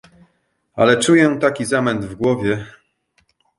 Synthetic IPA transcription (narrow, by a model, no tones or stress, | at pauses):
a̰lɛt͡ʂujɛ̃t̪akʲizamɛnd̪vɡwɔvʲjɛ